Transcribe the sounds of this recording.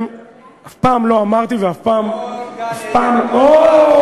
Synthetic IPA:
m | afpaːmlo̞amaʁt̪iveafpaːmafpaːmo

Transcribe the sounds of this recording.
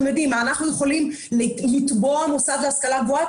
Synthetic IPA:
mjed̪imaːnaχnujeχo̞lim | lit̪bo̞amosad̪veaskalakvua

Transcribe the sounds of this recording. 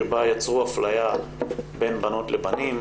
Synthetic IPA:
ebajat͡sʁuaflajabe̞nbano̞tlebanim

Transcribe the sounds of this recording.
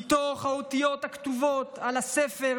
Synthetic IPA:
t̪oχhaot̪ijo̞t̪akt̪uvot̪alasefe

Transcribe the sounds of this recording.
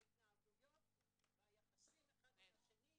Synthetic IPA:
it̪naːɡujo̞t̪ | veajamaskimeχad̪meaʃeni

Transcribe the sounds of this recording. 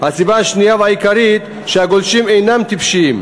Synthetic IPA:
hasibanʃnijavajkʰaɾit̪ | ʃeaɡolʃimejnamt̪ʰipʃim

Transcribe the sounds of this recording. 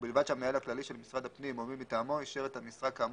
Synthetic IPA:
bilvad̪ʃamealhaklaliʃe̞lmisʁad̪hapnimomimit̪aːmo̞iʃeʁet̪hamisʁakam

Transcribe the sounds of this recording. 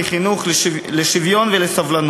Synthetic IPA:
iχinuχl | leʃivjo̞nvelesavlan

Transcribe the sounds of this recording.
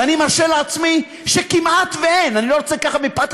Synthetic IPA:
animaʁʃeleat͡smi | ʃekimat̪veenanilo̞ot͡sekaχamipat̪

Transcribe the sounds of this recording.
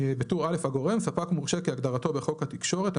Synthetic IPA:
bet̪uʁale̞fhaɡo̞ʁe̞msapakmuʁʃekeaɡd̪aʁat̪o̞beχo̞khat̪ikʃo̞ʁet̪a

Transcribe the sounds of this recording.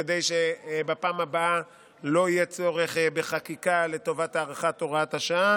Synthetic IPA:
ed̪ejʃebapaːmabaa | lo̞ijɛt͡so̞ʁe̞χbeχakikale̞to̞vataːʁaχat̪oʁathaʃaa

